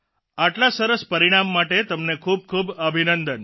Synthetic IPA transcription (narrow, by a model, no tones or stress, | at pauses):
aʈlasəɾəspəɾiɽ̃amːaʈet̪əmnekʰub̚kʰubəbʱinənd̪ən